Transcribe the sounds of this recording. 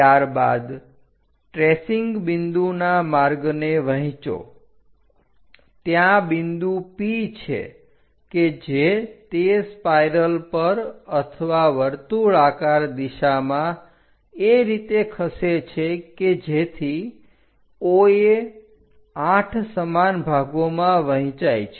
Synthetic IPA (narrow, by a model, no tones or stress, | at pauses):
jaɾba̰d̪ | ʈɾesiŋɡbɪnd̪unamaɾɡneʋəɦĩt͡ʃo̰ | t̪jãbɪnd̪upit͡ʃʰḛ | ked͡ʒet̪espajɾəlpəɾət̪ʰəʋaʋəɾt̪uɭakaɾd̪iʃamã | eɾit̪ekʰəset͡ʃʰeked͡ʒet̪ʰi | oe | aʈʰsəmanbʱaɡomãʋəɦĩt͡ʃajt͡ʃʰe